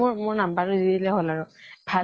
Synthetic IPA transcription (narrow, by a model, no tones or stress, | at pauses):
ʊɹmʊɹnambaɹʊdidilɛɦɔlaɹʊbʱa